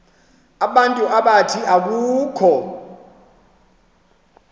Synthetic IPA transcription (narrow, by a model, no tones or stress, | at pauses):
aɓantʼuʔaɓatʰiʔak̬uːkʰɔ